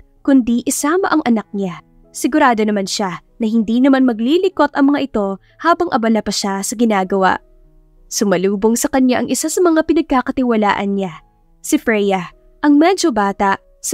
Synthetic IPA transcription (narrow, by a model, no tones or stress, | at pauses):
kʊnd̪iʔɪsaːmɐʔɐŋʔɐnɐk̚ɲa | sɪɡʊɾaːd̪o̞nɐmanʃanɐhɪnd̪inɐmanmɐɡlilɪko̞t̪ʔɐŋmɐŋaʔɪt̪o̞ | haːbɐŋʔɐbɐnɐpɐʃasɐɡɪnaːɡɐwa̰ʔ | sʊmɐluːbo̞ŋsɐkɐɲaʔɐŋʔɪsasɐmɐŋapɪnɐɡ̚kakɐt̪ɪwɐla̰ːʔɐnɲa | sɪfɾɛjɐ | ʔɐŋmɛːd͡ʒo̞baːt̪ɐʔ | s